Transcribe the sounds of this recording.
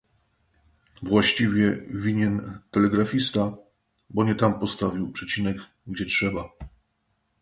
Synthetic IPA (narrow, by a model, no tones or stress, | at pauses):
vwaɕt͡ɕivʲjɛvʲiɲɛnt̪ɛlɛɡɾafʲist̪a | bɔɲɛt̪ampɔst̪avʲiwpʂɛt͡ɕinɛɡ | ɡd͡ʑɛtʂɛba